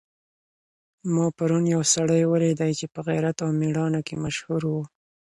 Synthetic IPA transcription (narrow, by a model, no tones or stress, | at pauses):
mɑpaɾunjawsaɽəjwəled̪ajt͡ʃepəɣajɾat̪awmiɽɑnokemaʃhuɾwu